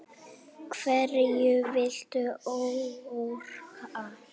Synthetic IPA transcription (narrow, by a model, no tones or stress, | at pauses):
kʰvɛrɪjʏvɪl̥t̪ʏowuɾa